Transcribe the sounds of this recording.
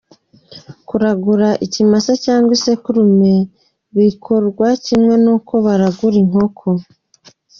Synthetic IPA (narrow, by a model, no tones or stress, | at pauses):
kuɾaɡuɾaʔicimasacaːŋɡwisekuɾume | βikʰoɾɡwacimŋe̞nuːkʰo̞βaɾaɡuɾiŋ̥ho̞kʰo